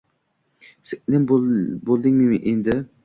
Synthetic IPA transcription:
sɪʔnɪmbolˠd̪ɪŋʲmɪmɪʔend̪ɪ

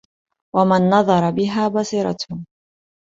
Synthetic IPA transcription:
wamanːɑðˤɑɾˤɑbɪɦaːbɑsˤiːɾˤɑ̰t̪h

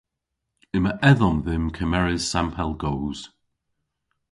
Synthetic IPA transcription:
ɪməʔɛðɔmðɪmkʰəmɛɹɪz̥sampʰɛlˠɡoːz̥

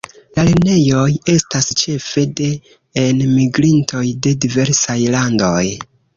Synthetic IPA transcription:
laline̞jo̞je̞stast͡ʃe̞fe̞de̞ː | nmiɡɾintʰo̞jde̞dive̞ɾsajlandoj

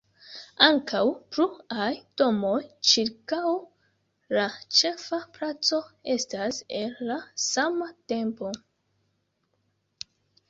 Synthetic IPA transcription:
aŋkawpɾuajdo̞mo̞jt͡ʃiɾkaw | lat͡ʃe̞fapɾat͡so̞e̞stase̞nːasamate̞mpo̞

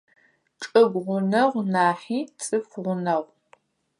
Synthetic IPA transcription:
ʈ͡ʂʼɐɡʷʁʷʊnɐʁʷnaːħiːt͡sʼɨfʷʁʷʊnɐʁʷ

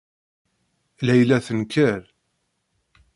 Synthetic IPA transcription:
læjlæθənkʰəɾ

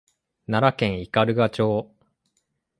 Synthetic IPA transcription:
naɾakẽ̞ɰ̃ikaɾɯ̟ɡat͡ɕo̞ː

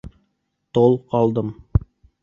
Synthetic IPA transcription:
t̪olˠqɑlˠd̪ɤm

